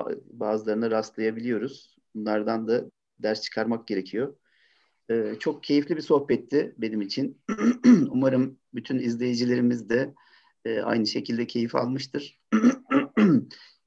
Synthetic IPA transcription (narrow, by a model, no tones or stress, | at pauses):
baːzɯlˠaɾɯnɯɾast̪lˠajabilʲijo̞ɾuz̥ | bunlˠaɾd̪and̪a | d̪æɾst͡ʃʰɯ̥kʰaɾmak̚ɟe̞ɾe̞cʰijo̞ | ɛːt͡ʃʰo̞k̚cʰe̞jiflʲibiso̞hpɛt̪ʰːɪbe̞nimit͡ʃʰin | umaɾɯm | byt̪ʰynizlʲe̞jid͡ʒilʲe̞ɾimizd̪ɛː | a̰jnɯʃe̞cʰilʲd̪ɛcʰe̞jifa̰lˠmɯʃt̪ʰɯɾ̥